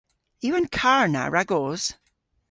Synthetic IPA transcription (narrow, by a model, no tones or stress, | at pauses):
jʉə̃nkʰaɹna̰ɹaɡoz̥